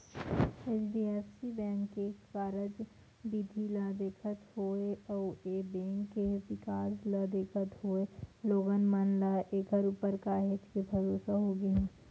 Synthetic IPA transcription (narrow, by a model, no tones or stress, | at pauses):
eːt͡ʃɖiːɛːfsibɛ̃ːŋkːekaːɾəd͡ʒ | bid̪ʱiləd̪eːkʰət̪ɦoːeoebɛ̃ːŋkːeʋɪkaːsləd̪eːkʰət̪ɦoːeloːɡənmənlaʔeːkəɾuːpəɾkaːɦɪt͡ʃ̪kebʱɐɾoːsaɦoɡəɦɛ̃ː